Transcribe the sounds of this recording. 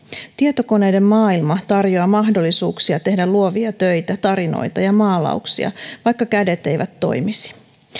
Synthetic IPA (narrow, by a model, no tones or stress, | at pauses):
t̪iet̪oko̞ne̞jde̞mmɑːilmɑt̪ɑrjoɑmɑɦdo̞lːisuːksiɑt̪e̞hdæluoʋiɑt̪øjt̪æt̪ɑɾino̰jt̪ɑjɑmɑːlɑ̰uksḭɑ̰ʋɑjkːɑkæde̞t̪e̞jʋʔæt̪ːo̞̰jmisi̥